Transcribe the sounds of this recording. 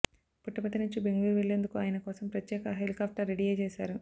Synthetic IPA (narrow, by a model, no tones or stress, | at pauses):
puʈːɐpɐt̪ːɐnuɲt͡ʃibeŋɡuɾʋeɭːeːnd̪ukuaːjɐnɐkɔːsɐmpɾɐt̪jɛːkɐɦelikaːp̚ʰʈɐɾːeɽiɡɐːt͡ʃeːsa̰ːɾu